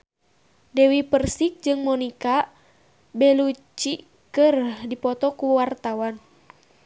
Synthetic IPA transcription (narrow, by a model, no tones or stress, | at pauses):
dɛwipərsik̚d͡ʒɨŋmɔnika | bɛlut͡ʃi | kɨrdipɔt̪ɔkuwart̪awan